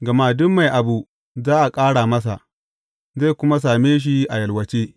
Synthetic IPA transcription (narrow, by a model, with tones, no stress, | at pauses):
ɡɐ˨ma˦dʊ˦mːa˨jʔa˨buː˦ | zaː˦ʔa˨kʼaː˦ɽaː˨mɐ˦s̬a̰˨ʔ | za˦˨kʷʊ˦ma˦s̬aː˨meː˦ʃ̬i˦ʔa˨jɐ˨lwɐ˨t͡ʃeː˦